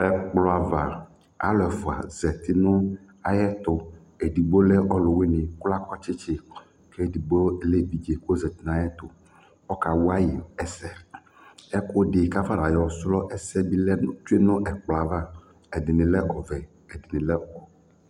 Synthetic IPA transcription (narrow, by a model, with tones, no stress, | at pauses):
ɛ˨k͡plɔ˨a˨va˨ | a̰˦lɛ˨fo˨a̰˨zɛ˨t̪i˦nʊ̃˦ | a˨jɛ˦t̪ʊ˦ | e˨di˨ɡ͡bo˦lɛ˦ʔɔ˦lʊ˨we˦nĩ˨kla˦kɔ˦t͡ʃɪ˦t͡ʃe˦ | kʰe˦˨di˨ɡ͡bo˦le˦bi˨d͡ʒe˨ko˦zɛ˨t̪i˦nã˨jɛ˦t̪ʊ˨ | ɔ˦ka˨wo˦a˦ji˨ɛ˦sɛ˦ | ɛ˦ko˦ɖɪ˨ka˦fa˦la˨jɔ˦slɔ˦ʔɛ˦sɛ˦bi˦t͡ʃu˦e˦nʊ̃˦ʔɛ˨k͡plɔ˨a˨va˦ | ɛ˨dɪ˨nɪ̃˨lɛ˦ʔɔ˨vɛ˨ | e˨di˨nĩ˨lɛ˦ɔ˨